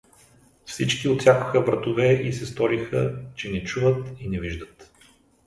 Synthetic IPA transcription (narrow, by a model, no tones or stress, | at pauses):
fsit͡ʃkiot̪sʲjakʊ̥xəbɾɐt̪ʊvɛisɛst̪ɔɾixə̰t͡ʃɛnɛt͡ʃuvət̪inɛviʒd̪ət̪